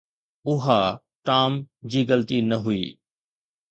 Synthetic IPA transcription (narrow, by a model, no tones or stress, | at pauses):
ʊɦa | ʈaːmd͡ʑiːɡəlt̪inɐɦʊiː